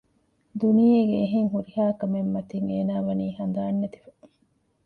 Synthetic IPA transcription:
d̪unijeɡeːɦeŋɦuɾiɦaːkɐmemːɐt̪iŋeːnaːʋɐniːhɐn̆d̪aːnːet̪i̥fɐ̥

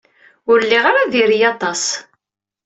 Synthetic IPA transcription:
ʊɾlːiʁaɾaðiɾijɑt̪ˤɑs

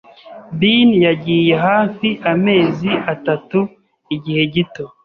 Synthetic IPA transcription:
binjaɟiːje̞ɦaːfiʔame̞ːziʔatatu | iɟihe̞ɟito̞

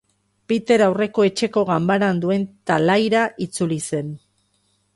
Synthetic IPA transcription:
pit̪e̞ɾawre̞ko̞e̞t͡ʃe̞ko̞ɣambaɾand̪ue̞nt̪alajɾaʔit͡sulise̞n

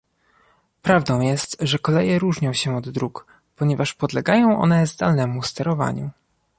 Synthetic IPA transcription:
pɾavd̪ɔ̃w̃jɛst̪ʐɛkɔlɛjɛɾuʐɲɔ̃w̃ɕɛɔd̪ːɾuk | pɔɲɛvaʂpɔd̪lɛɡajɔ̃w̃ʔɔ̰nɛzd̪alnɛmust̪ɛɾɔva̰ɲu

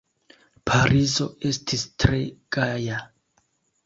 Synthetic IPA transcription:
pʰaɾʔizo̞e̞stʰistɾe̞ɡ̥aja

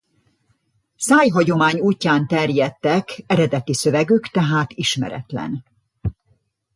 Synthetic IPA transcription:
saːjɦɒɟo̞maːɲuːcːaːnt̪ɛrjɛt̪ːɛkɛɾɛd̪ɛt̪isø̞vɛɡykt̪ɛɦaːt̪iʃmɛ̰ɾɛ̰t̪lɛ̰n

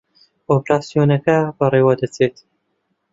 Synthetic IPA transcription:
opɾaːsijoːnɐkɐbɐreːwɐd̪ɐt͡sʰet̪

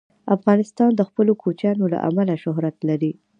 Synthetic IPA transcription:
afɣɑnɪst̪ɑnd̪əxpəlokʰot͡ʃjɑnola̰ʔa̰malaʃʊɦɾat̪laɾi

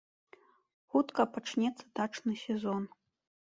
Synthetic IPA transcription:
xut̪kɐpaʈ͡ʂnʲɛt̪sɐd̪aʈ͡ʂnɨsʲɛzon

